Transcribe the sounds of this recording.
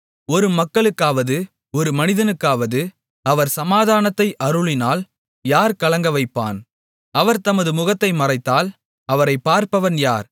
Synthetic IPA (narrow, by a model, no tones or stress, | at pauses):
ɔɾɯmɐkːɐɭɯkːaːʋɐðɯ | ɔɾɯmɐnɪðɐnɯkːaːʋɐðɯ | ɐʋɐɾsɐmaːðaːnɐt̪ːɐɪʔɐɾɯɭɪnaːl | jaːɾkɐɭɐŋɡɐʋɐɪpːa̰ːn | ɐʋɐɾt̪ɐmɐðɯmʊɣɐt̪ːɐɪmɐrɐɪt̪ːaːl | ɐʋɐɾɐɪpːaːɾpɐʋɐnjaːɾ